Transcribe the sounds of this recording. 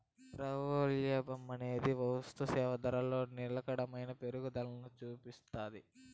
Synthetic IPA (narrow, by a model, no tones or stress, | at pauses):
ɾɐʋoljeːbɐmːɐne̞ːd̪iʋɐwst̪usɛːʋɐd̪ɐɾɐlo̞ːnilɐkɐɽɐmɐjnɐpe̞ɾuɡud̪ɐlɐnut͡ʃuːpist̪aːd̪i